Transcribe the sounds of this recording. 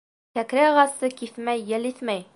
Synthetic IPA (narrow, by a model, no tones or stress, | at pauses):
kækɾæʁɑsɤkifmæjːɘliθmæj